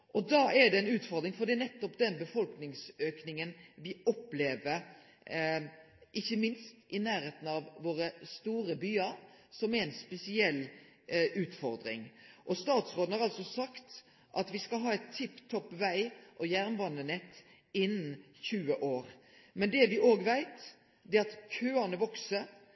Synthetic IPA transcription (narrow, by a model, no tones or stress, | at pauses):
ʔɔd̪ɑːʔɛɖ̪ɛɛnʉːt̪fɔɾd̪ɾɪŋfɔɾd̪iːnɛt̪ːɔpd̪ɛnbəfɔlknɪŋsøːknɪŋənʋɪɔpleːʋəɾ | ʔɪçːəmɪnst̪ɪnæːɾheːt̪n̩ɑʋːoːɾəst̪uːɾəbyːəɾsɔmɛɾɛnspɛsɪɛlː | ʉːt̪fɔɾd̪ɾɪ̰ŋʔɔst̪ɑːt̪sɾoːd̪n̩hɑɾɑlsɔsɑkt̪ | ʔɑt̪ʋɪskɑlɦɑːɛt̪ʰːɪpːt̪ʰɔpːʋæɪʔɔjæʁnʋɑnənɛt̪ː | ɪnːn̩ | çʉːəʔoːɾ | mɛnd̪ɛʋɪʔoːɡʋæɪt̪ | d̪ɛɑt̪kʰøːɑnəʋɔksəɾ